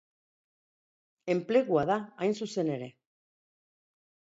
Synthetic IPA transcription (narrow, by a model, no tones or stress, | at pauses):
e̞mple̞ɣ̞uaðaːjnsuse̞ne̞ɾe̞